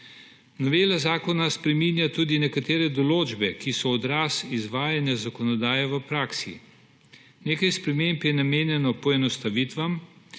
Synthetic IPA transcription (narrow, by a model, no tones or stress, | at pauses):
nɔʋeːlazaːkɔnaspɾɛmiːnjat̪uːd̪inɛkat̪eːɾɛd̪ɔloːd͡ʒbɛkisɔːd̪ɾaːsizʋaːjanjazakɔnɔd̪aːjɛʋəpɾaːksḭ | neːkajspɾɛmeːmpjɛnameːnjɛnɔpɔɛnɔst̪aʋit̪ʋam